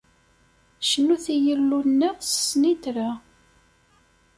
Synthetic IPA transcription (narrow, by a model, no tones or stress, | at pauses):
ʃənuθijəlːunːəʁsə̥snit̪ɾa